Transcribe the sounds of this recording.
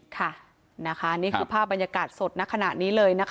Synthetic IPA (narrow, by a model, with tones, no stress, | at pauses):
kʰa˥˩ | na˦˥kʰa˦˥niː˥˩kʰɯː˧˩pʰaː˥˩p̚ba˧nja˧kaː˨˩t̪̚so˨˩t̪̚na˦˥kʰa˧na̰˨˩niː˦˥lɤː˧jna˦˥k